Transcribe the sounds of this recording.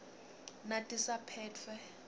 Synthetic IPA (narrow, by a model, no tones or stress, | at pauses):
natʼisapʰɛːt͡fʰwɛ